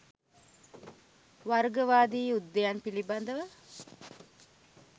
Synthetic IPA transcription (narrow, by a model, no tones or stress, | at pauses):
ʋaɾɡəʋaːd̪iːud̪ːejanpiliband̪əʋə